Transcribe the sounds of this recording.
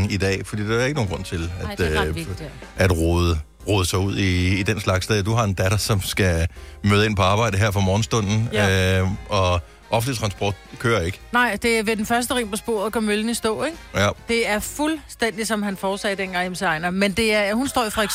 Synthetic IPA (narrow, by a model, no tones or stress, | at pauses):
ŋid̥ɛ̰ːfɒd̥ḭːd̥eɐeɡ̥no̝ːnɡʁɔ̽n̰t͡sʰe̝læ̥ | ʔæd̥ʁoðˠə | ʁoːðˠəsɑ̈uð̰ˠiːd̥enslɑ̈ɡ̥sd̥ed̥uɦɑ̈e̝nd̥æd̥ɐsɒ̽msɡ̥æmøːðˠe̝npʰɒ̽ɑ̈ːb̥ɑ̈ɪ̰d̥əɦeɐ̰fɒmɒːn̩sd̥ɔ̽n̰n̩ | ɒ̽ | ʔɒfn̩lit͡sʰʁɑ̈nsb̥ɒ̰ːd̥kʰøːɐe̝ɡ̥ə̥nɑ̈ɪ̰d̥e̝æʋe̝d̥enfɶɐs̬d̥əʁḭmpʰɒ̽sb̥o̝̰ɐðˠkɒmøln̩isd̥ɔ̰̽ːeɡ̥jd̥e̝æɐfulsd̥en̰d̥isɒ̽mhænfɒːsɛ̰ːd̥enɡ̥ɑ̈ŋemsəɑ̈ɪnɐmend̥e̝æɐhunsd̥ɒ̰ːifʁɑeɡ̥